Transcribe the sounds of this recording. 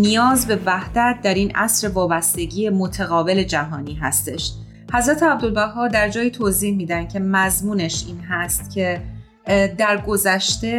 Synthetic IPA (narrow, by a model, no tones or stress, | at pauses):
nijɒːzbe̞væhd̪̥æt̪̚d̪æɾiːnʔæ̰sɾe̞vɒːbæst̪e̞ɟiːemot̪ʰæɣɒːbe̞le̞d͡ʒæɦɒːniːɦæ̰st̪e̞ʃ | hæzɾæt̪ʰeæb̚d̪o̞lbæhɒːd̪æɾd͡ʒɒːjiːt̪ʰoziːhmiːd̪ænd̪̚cʰe̞mæzmuːneʃiːnɦæst̪cʰe̞ | d̪æɾɡo̞zæʃt̪e̞